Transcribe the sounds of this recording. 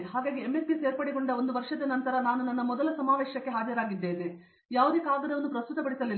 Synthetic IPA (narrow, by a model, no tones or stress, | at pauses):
ɦaːɡaːɡiemːespise̞ːɾpɐɽiɡoɳɖɐond̪uʋɐɾʂɐd̪ɐnɐnt̪ɐɾɐnaːnunːɐnːɐmɔd̪ɐlɐsɐmaːʋeːʃjɐkːeɦaːd͡ʒɐɾaːɡid̪ːe̞ːne | jaːʋud̪ikaːɡɐd̪ɐʋɐnːupɾɐst̪ut̪ɐpɐɽisɐli